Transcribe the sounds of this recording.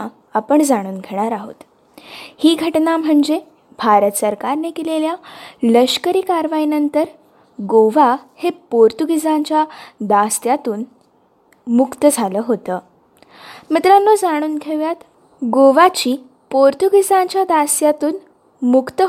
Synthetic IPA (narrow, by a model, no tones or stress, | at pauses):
apəɳd͡zaɽ̃uːnɡʱeɽ̃aɾaɦo̰t̪ | hiːɡʱəʈnam̤əɳd͡ze | bʱaɾət̪səɾkaɾnekileljaləɕkəɾiːkaɾʋainənt̪əɾ | ɡoʋahepoɾt̪uɡʱid͡zãɲt͡ɕjad̪ast̪jat̪uːn | mukt̪əd͡zʱaləːɦot̪əː | mət̪ɾanːod͡zaɽ̃uːnɡʱeʋjat̪ | ɡoʋat͡ɕiː | poɾt̪uɡʱid͡zãɲt͡ɕjad̪ast̪jat̪uːn | mukt̪ə